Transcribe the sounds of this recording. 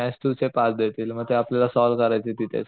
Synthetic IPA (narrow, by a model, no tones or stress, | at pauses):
asʈ̪ut͡sepasd̪et̪iːlməɡ̚t̪eapljalasɔlkəɾajt͡set̪it̪ʰḛ